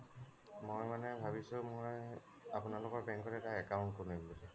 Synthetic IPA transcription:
mojmanɛbʱabisʊ̃moj | apunalʊkɔɹbɛŋkɔtɛtaɛkaw̃nt̚konubbilɛ

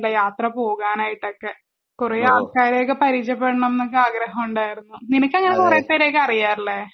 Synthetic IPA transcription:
lːɐjaːt̪rɐpo̞ːɣaːnaːjiʈːo̞kːe̞ | kureːaːlkaːɾekːɨpɐɾit͡ɕːɐpːeɽɐɳɐmenːokːɨaːɡɾɐɦɐmuɳɖaːjiɾunːuninɐkʲːɐŋːɐnekureːpːeːɾekːɨɐrijaːɾilːe

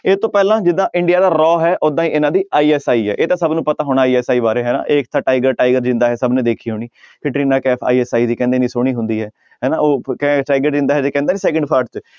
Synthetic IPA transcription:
eːt̪õːpɛːlãːd͡ʒɪd̪ãːʔɪɳɖijaːd̪aːɾɔːɦɛːʔod̪ãːĩːʔɪnãːd̪iːaːiːɛːsaːiːɦɛ̰ːʔeːt̪ãːsəbnũːpət̪aːɦoːɽ̃aːiːɛːsaːiːbaːɾeːɦɛːnã̰ːʔeːkt̪ʰaːʈaːɪɡəɾʈaːɪɡəɾd͡ʒɪ̃nd̪aːɦɛːsəbnẽːd̪eːkʰiːɦoːniːkʰɪʈɾiːnãːkɛːpʰa̰ːiːɛːsaːiːd̪iːkɛ̃ːnd̪eːnĩːsoːɽ̃iːɦʊ̃nd̪iːɦɛː | ɦɛːnãːoːkɛ̃ʈaːɪɡəɾd͡ʒɪ̃nd̪aɦɛːd͡ʒ̪eːkɛ̃ːnd̪eːnĩːsɛːkə̃ɳɖpʰaːɾɖt͡ʃ

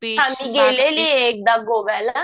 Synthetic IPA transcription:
ãːniːɡeːleːlieːk̚d̪aːɡoːʋɛːla

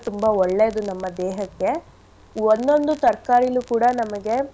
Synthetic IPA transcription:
t̪umbaɔɭːeɐd̪unɐmːɐd̪ɛːɦɐkːe̞ | ond̪o̞nd̪ut̪ɐɾkaːɾijɐlukuːɽɐnɐmɐɡe̞

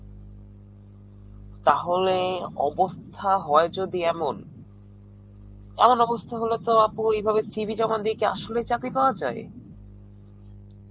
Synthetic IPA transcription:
t̪aɦoleɔ̰bost̪ʰaɦɔed͡ʑod̪iɛmon | ɛ̰monɔbost̪ʰaɦolot̪oapoejbʱabesibʱid͡ʑɔmand̪ikea̰ʃolejt͡ɕakɾipaoad͡ʑae

